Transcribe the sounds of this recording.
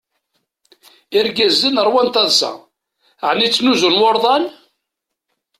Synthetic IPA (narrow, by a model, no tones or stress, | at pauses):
iɾɡæzːənəɾˤwænt̪ɑðsæ̰ | ʕnit͡sːnuzunwoɾˤðˤɑn